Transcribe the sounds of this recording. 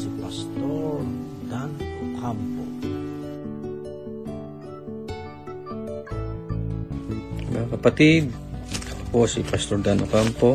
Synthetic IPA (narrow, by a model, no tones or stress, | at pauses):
sipast̪oɹ | d̪anokampo | mɐ̰ŋakɐpat̪id̪̚ | posipast̪oɹd̪anʔokampo